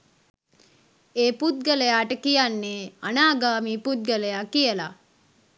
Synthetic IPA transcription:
eːpud̪̚ɡələjaːʈəkijanːeanaːɡaːmiːpud̪̚ɡələjakijəla

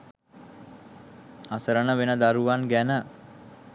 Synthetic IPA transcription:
asəɾənəʋenəd̪aɾuʋanɡænə

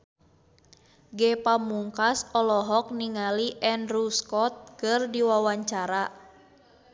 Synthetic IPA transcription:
ɡɛpamuŋkasɔlɔɦɔk̚niŋaliʔɛnruskɔt̪̚kɨrdiwawaɲt͡ʃaɾa

